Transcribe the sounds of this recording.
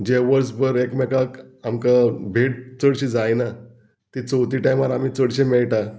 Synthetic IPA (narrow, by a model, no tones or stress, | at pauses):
d͡ʑeʋəɾsbəɾekmɛkakamkabʱeʈ̚t͡səɽɕid͡zajna | t̪it͡səwt̪iʈajmaɾamiːt͡səɽɕẽmɛɭʈa